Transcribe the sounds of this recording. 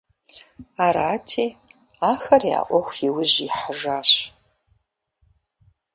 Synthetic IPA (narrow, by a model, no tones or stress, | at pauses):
aːɾaːtʰeː | aːxɐrja̰ːʔʷɔxʷjɪwʊʑiħəʒaːɕ